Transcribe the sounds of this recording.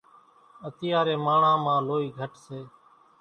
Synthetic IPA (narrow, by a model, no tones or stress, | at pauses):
ət̪ɪjaːɾeːmaːɳãːmãːloːiːɡʱəʈseː